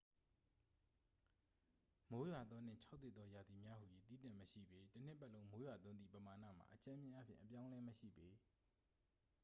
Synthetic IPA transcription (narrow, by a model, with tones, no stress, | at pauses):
mo˨˦jwa˨d̪ðɔ˦n̥ɪ̰̃˦˨t͡ɕʰa˦ʊt̪ːe˦˨d̪ðɔ˦ja˨d̪i˨mja˦hu˨ji˨t̪ḭ˦˨tã˦˨məʃḭ˦˨be˦tən̥ɪ˦˨pːʔlõ˦ʊ̃mo˦jwa˨t̪ʊ̃˦nd̪ḭ˦˨pəma˨na̰˦˨ma̰˨ʔət͡ɕã˦mjɪ̃˦ʔa˦pʰjɪ̰̃˦˨ʔə˨p̬jã˦ʊ̃lɛ˦məʃḭ˦˨be˨˦